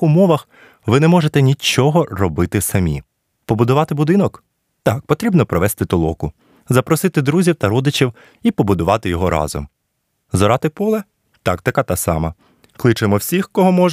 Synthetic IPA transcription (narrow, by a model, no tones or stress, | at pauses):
umɔʋɐx | ʋɪnɛmɔʒet̪ɛnʲit͡ʃɔɦɔrɔbɪt̪ɪsɐmʲḭ | pɔbʊd̪ʊʋɑt̪ɪbʊd̪ɪnɔk | t̪ɑk̚pɔt̪ɾʲibnɔpɾɔʋɛst̪ɪt̪ɔlˠɔ̰kʊ | zɐpɾɔsɪt̪ɪd̪ɾuzʲiwt̪ɐɾɔd̪ɪt͡ʃʲiw | ipɔbʊd̪ʊʋɑt̪ɪjɔɦɔɾɑ̰zɔ̰m | zɔɾɑt̪ɪpɔlˠɛ | t̪ɑkt̪ɐkat̪ɑsɑ̰mɐ | klˠɪt͡ʃɪmɔwsʲixkɔɦɔmɔʒ